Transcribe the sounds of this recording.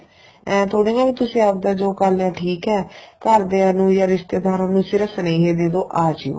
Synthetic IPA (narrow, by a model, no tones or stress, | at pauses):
ɛ̃ːt̪ʰoːɽĩːnaːʋiːt̪ʊsĩːəp̚d̪aːd͡ʒoːkəlnãːʈʰiːkɛːkəɾd̪eːaːnũːjaːɾɪʃt̪eːd̪aːɾanũːsɪɾəfsəneːɦeːd̪eːd̪oːʔaːd͡ʒio̰ː